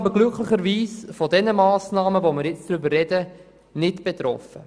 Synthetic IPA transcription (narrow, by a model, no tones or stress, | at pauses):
ɑbəɡlʏkχlɪχəɾʋiːsfɔdɛnəmɑːsnɑːməvomɪɾjɪt͡sd̥ɾʏbərːɛdə | nɪtb̥et̪ɾɔ̰fə